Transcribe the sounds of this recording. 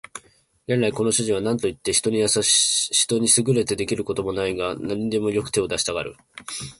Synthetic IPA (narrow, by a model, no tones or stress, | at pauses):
ɡe̞nɾaiko̞no̞ɕɨʑiβ̞anãnt̪o̞it̪ːe̞çi̥t̪o̞ɲ̟ijasaɕi̥t̪o̞ɲ̟isɨɡɯ̟ɾe̞t̪e̞d̪e̞kʲiɾɯ̟ko̞t̪o̞mo̞naiɡanaɲ̟id̪e̞mo̞jo̞kɯ̟t̪e̞od̪aɕi̥t̪aɡaɾɯ̟̰